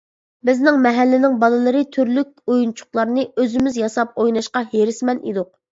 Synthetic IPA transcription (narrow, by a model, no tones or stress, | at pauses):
bɪznɪŋmɛɦælːɪnɪŋbɑlˠɨlˠɨɾɨt̪ʰyɾlyk̚ʲojunt͡ʃʰʊ̥χlˠɑɾnɨøzɪmɪzjɑsɑp̚ojnɑʃqɑɦeɾɪsmɛnid̪ʊq̚